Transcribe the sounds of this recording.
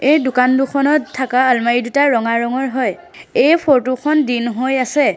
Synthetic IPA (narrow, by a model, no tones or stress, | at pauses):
ejdʊkanduxʰɔnɔtʰːakaːlmaidutaɹɔŋaɹɔŋɔɹɦɔj | ejpʰoɹtukʰɔndinɦojasɛ